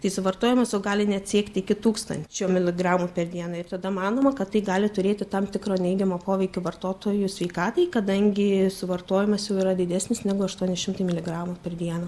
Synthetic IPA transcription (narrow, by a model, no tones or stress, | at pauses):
t̪ɐɪsʊʋɐrt̪oːjʲɪmɐsjɛʊɡɑːlʲɪnʲɛt̪sʲiɛkt̪ʲɪkʲɪt̪uːkst̪ɐ̰nʲt͡ʃʲoːmʲɪlʲɪɡrɑːmupʲɛrd̪ʲiɛnɐɪrt̪ɐd̪ɐmɑːnoːmɐkɐt̪tɐɪɡɑːlʲɪt̪ʊɾʲeːt̪ʲɪt̪ɐmt̪ʲɪkɾoːnʲɛɪɡʲɛmoːpoːʋʲɛɪkʲʊʋɐrt̪oːt̪oːjʊsʲʋʲɛɪkɑːt̪ɐɪkɐd̪ɐŋʲɡʲɪsʊʋɐrt̪oːjɪmɐsjɛʊiɾɐd̪ʲɪd̪ʲæːsʲnʲɪsnʲɛɡʊɐʃt̪uɔnʲɪʃʲɪmt̪ɐɪmʲɪlʲɪɡɾɑːmupʲɛrd̪ʲiɛnɐ